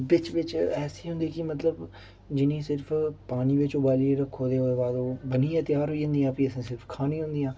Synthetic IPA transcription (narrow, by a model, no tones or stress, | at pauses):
bɪt͡ʃʋɪt͡ʃɛːsiːɦʊ̃nd̪eːkɪmət̪ləb | d͡ʒɪnĩːsɪɾpʰpaːniːʋɪt͡ʃoːbaːliːeɾəkʰːoːd̪eːoːd̪eːbaːd̪oːbəniːãːt̪jaːɾɦoːiːd͡ʒə̃nd̪iːãːpiəsẽːsɪɾpʰkʰaːniːɦʊ̃nd̪iːãː